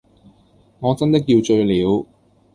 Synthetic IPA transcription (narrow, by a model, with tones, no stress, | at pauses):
ŋɔː˨˧t͡sɐ˥nt̪ɪ˥k̬jiː˧wt͡ʃɵ˧ɥliː˨˧˥w